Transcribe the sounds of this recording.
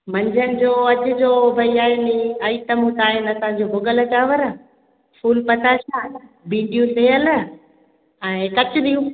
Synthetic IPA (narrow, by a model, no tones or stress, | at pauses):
mɐ̃ɲd͡ʑʱənɪ̆d͡ʑoːɐt͡ɕʊ̆d͡ʑoːbʱɐiaːniaːiʈəmũt̪aːɪnɐt̪ɐ̃ãɲd͡ʑoːbʱʊɡəlɐt͡ɕaːʋəɾ | fuːlpɐt̪ʰaʃãn | bĩːɖijũsejəl | ɛ̃ːkɐt͡ɕʊɗ̪ijũ